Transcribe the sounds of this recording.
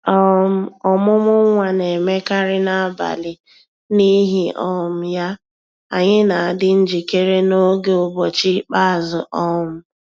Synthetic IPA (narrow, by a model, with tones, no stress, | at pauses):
ɔ˦m̩˦ɔ˨mʊ˦mʊ˦ŋʷa˨ne˨me˦ka˦ɾɪ˦na˨a˦ba̰˨lɪ˨ | ni˦ɦi˦ʔɔ˦˨m̩˨˦ja˦ | a̰˨ɲɪ˦na˨a˨dɪ˦n̩˦d͡ʒi˨ke˦ɾe˦no˦ɡe˦ʊ˦bɔ˨t͡ʃi˦k͡pa˦˨zʊ˨ʔɔ˦˨m̩˦